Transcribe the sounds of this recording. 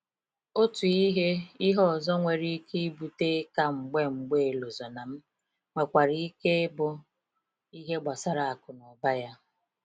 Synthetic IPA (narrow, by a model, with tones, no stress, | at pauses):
o˦tu˨i˦ɦe˦i˦ɦɔ˦˨zɔ˦ŋʷe˨ɾi˦ke˦bu˨te˦ka˦ŋ͡m̩˨ɡ͡be˦ŋ͡m̩˨ɡ͡be˦e˨lo˨zɔ˨na˨m̩˦ | ŋʷe˨kʷa˨ɾi˦ke˦bʊ˦ | i˦ɦe˦ɡ͡ba˨sa˦ɾa˨a˨kʊ˨nɔ˨ba˦ja˦